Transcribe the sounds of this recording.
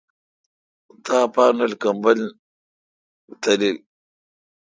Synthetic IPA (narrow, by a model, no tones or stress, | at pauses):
t̪ʰaːpaːnɐlkɐmbɐl | t̪ɐlil